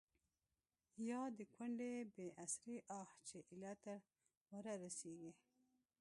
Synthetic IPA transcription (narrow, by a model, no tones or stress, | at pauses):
jɑd̪əkwaɳɖebeʔasɾiʔɑht͡ʃeʔilat̪a | waɾaɾaseɡi